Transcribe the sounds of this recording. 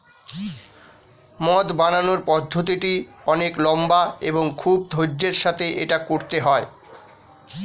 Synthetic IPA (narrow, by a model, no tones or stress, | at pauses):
mɔt̪bananoɾpɔd̪ʱːot̪̬iʈiɔneklɔmbaeboŋkʰub̚d̪ʱod͡ʑd͡ʑeɾʃat̪ʰeʔeʈakoɾt̪eɦɔe